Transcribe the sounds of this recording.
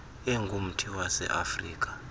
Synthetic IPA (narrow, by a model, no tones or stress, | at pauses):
ɛŋɡʱum̩tʰiwasɛ̰ʔafriːk̬ʼḁ